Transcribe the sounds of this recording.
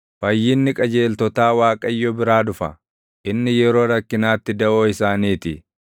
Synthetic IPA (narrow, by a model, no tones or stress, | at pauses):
fɐjːɪnːɪkʼɐd͡ʒe̞ːlt̪ɔt̪aːwaːkʼɐjːɔbɪɾaːd̪ʊfɐ̰ | ʔɪnːɪjɛɾo̞ːɾɐkːɪnaːt̪ːɪd̪ɐʔoːɪsaːniːt̪ɪ